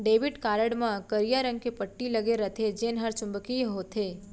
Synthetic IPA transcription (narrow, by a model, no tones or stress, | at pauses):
ɖeːʋɪʈkaːɾəɽmãkəɾijaɾə̃ŋɡ̚kepəʈːiləɡeɾət̪ʰed͡ʒeːnɦaɾt͡ʃʊ̃mbəkiɦot̪ʰeː